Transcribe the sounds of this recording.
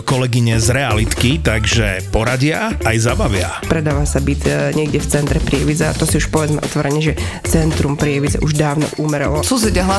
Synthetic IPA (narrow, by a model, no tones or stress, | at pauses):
kɔlɛɡiɲɛzɾɛalit̪kit̪aɡʒɛpɔɾaɟɪaːjzabaʋɪa̰pɾɛd̪aːʋasabicɲɛɡɟɛft͡sɛnt̪ɾɛpɾɪɛʋid͡zɛat̪ɔsiuʃpɔʋɛd͡zmɛ̰ʔɔ̰t̪ʋɔɾɛɲɛʒɛ | t͡sɛnt̪ɾumpɾɪɛʋid͡zɛ̰ʔuʒd̪aːʊnɔ̰ʔuːmɛɾɔ̰lɔsuzɛɟaɦla